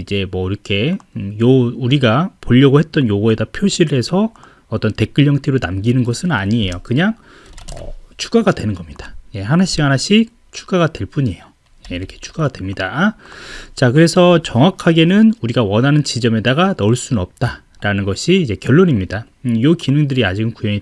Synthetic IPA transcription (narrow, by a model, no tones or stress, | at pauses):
id͡ʑe̞mwʌiɾʌkʰe̞jouɾiɡapoʎːʌɡohe̞t̚t͈ʌnjoɡoedapʰjoɕʰiɾɯɦe̞sʰʌ | ʌt͈ʌnte̞k͈ɯʎːʌŋtʰiɾonamɡinɯnɡʌsʰɯna̰ɲie̞jokɯɲaŋ | ʌ̰t͡ɕʰu̥ɡaɡadwenɯnɡʌmɲid̥ḁje̞ɦanaɕ͈ikhanaɕ͈ik̚ | t͡ɕʰu̥ɡaɡadwe̞ɭp͈uɲe̞jo | jeiɾʌkʰe̥t͡ɕʰu̥ɡaɡadwe̞mɲida | t͡ɕakɯɾe̞sʰʌt͡ɕʌŋwakʰaɡe̞nɯnuɾiɡawʌnɦanɯnt͡ɕid͡ʑʌme̞daɡanʌɭs͈unnʌp̚t͈a | ɾanɯnɡʌɕʰiːd͡ʑe̞kjʌɭːoɲimɲida | jokinɯŋdɯɾiad͡ʑiɡɯnkujʌɲi